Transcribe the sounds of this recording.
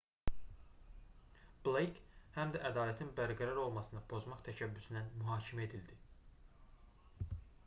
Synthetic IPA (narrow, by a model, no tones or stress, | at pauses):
b̥lˠejkhæmd̪æʔæd̪ɑːlæt̪ʰinbæɾɡæɾæɾo̞lˠmɑsɯnɑpʰo̞zmɑχt̪ʰæʃæbːysynænmyɦɑːcʰimæe̞d̪ild̪i